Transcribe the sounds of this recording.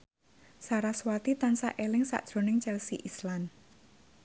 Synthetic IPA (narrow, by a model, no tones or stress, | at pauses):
saɾaswat̪it̪ansa̰ʔelɪŋsa̰ʔd̥ʒ̥ɾo̤nɪŋt͡ʃɛlsiʔislan